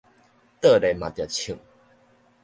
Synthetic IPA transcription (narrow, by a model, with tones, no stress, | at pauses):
t̪ə˥˧˨le˨mã˨t̪ja˨˩t͡ɕʰi˨˩˦ŋ